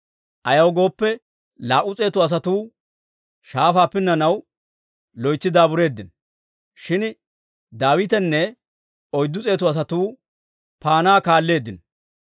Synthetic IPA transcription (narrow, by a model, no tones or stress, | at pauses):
ʔɐjɐwɡo̞ːpːɛ | laːʔʊt͡sʼe̞ːt̪ʊɐs̬ɐt̪uː | ʃaːfaːpːɪnːɐnɐw | lɔjt͡sːɪd̪aːbʊɾe̞ːd̪ːɪn | ʃɪn | d̪aːwɪt̪ɛnːɛ | ɔjd̪ːʊt͡sʼe̞ːt̪ʊɐs̬ɐt̪uː | paːnaːkaːlːe̞ːd̪ːɪn